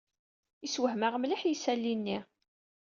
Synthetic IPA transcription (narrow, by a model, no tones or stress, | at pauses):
iswəɦməʁmliħjisælːinːi